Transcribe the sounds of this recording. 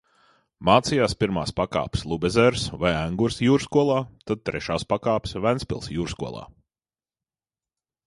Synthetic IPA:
maːt̪sijaːspiɾmaːspaka̰ːpslˠubʲezɛɾsvajæŋɡuɾsjuːɾskuɔlˠaːt̪ad̪̚t̪ɾʔɛʃaːspakaːpsvænspʲḭlˠsjuːɾskuɔlˠa̰ː

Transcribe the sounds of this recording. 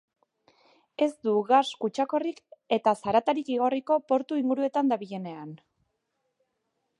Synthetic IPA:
e̞zd̪uɣaskut͡ʃako̞rike̞t̪asaɾat̪aɾikiɣ̞o̞riko̞po̞ɾt̪uiŋɡuɾue̞t̪and̪aβiʎe̞ne̞an

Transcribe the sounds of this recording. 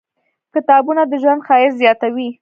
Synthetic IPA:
kɪt̪ɑbunad̪əʒwand̪xɑɪɾzjɑt̪awi

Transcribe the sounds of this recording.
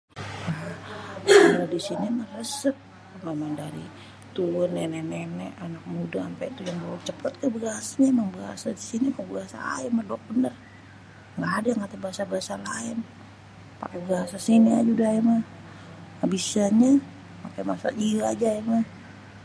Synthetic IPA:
a | aladisinimarəsət̚ | memaŋdaɾḭ | t̪uənɛnɛnɛnɛʔanak̚mudaampait̪ujaŋbolut͡ʃəpət̪̚kəbəasaɲamaŋbəɦa̰sadisinimabəɦasa̰a̰imaduak̚bənər | ŋɡaːdajaŋat̪abəɦasabəasalaɪn | pa̰kabəɦasasiniad͡ʒudaimah | habisaɲa | makajmasa̰liəad͡ʒaimah

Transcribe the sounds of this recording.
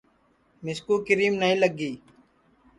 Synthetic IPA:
mɪskuːkɪɾiːmnəɦĩːləɡiː

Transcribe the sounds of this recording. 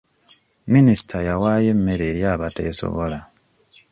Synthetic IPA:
minisi̥tʰajawajemːeɾeɾjaβatḛːso̞̰βo̰la

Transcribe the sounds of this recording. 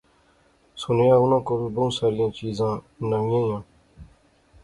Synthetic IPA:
sʊnjãːʊnãːkoɾubəũsaːɾɪjãːt͡ʃiːzãː | nəʋɪjãːjãː

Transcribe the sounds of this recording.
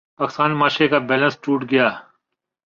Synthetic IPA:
paːkst̪aːnmaːʃekabɛːlə̃nsʈuːʈɡəjaː

